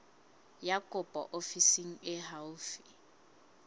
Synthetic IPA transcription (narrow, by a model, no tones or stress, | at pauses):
jakʼʊpʼɔ̰ʔofisiŋ̩ɪɦaʊfi̥